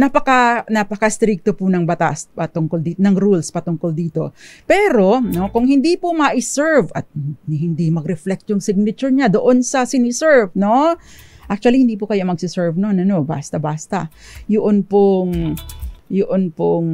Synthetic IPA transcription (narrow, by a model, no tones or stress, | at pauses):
nɐpɐkanɐpɐkast̪ɾik̚t̪opʊnɐŋbɐt̪a̰spɐt̪ʊŋkold̪iːnɐŋɾulspɐt̪ʊŋkold̪iːt̪o̞̰pɛːɾo̞no̞kʊŋhɪnd̪ipʊmɐʔɪsɛɹvʔɐt̪̚nɪhɪnd̪imɐɡɾɛflɛk̚t̪jʊŋsɪɡ̚nɐt͡ʃʊɹɲad̪oʔonsɐsɪnɪsɛɹvno̞ | ʔak̚t͡ʃuɐlihɪnd̪ip̬ʊkɐjamɐɡsɪsɛɹvnonɐno̞ba̰ːst̪ɐbaːst̪ɐ | jʊʔonpoŋ | jʊʔonpʊŋ